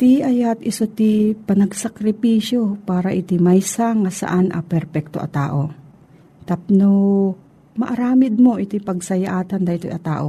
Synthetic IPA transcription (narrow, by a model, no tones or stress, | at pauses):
t̪iʔɐjat̪ɪsot̪ɪpɐnɐɡsɐkɾɪpiːsjopaːɾaʔɪt̪ɪmajsaŋasa̰ʔanʔɐ̰pɛɾpɛk̚t̪oʔɐ̰t̪a̰ːʔo̞ | t̪ap̚no | mɐʔɐɾaːmɪd̪̚mo̞ʔɪt̪ɪpɐɡ̚sɐjaʔaːt̪and̪ɐʔit̪o̰ʔɐt̪a̰ːʔo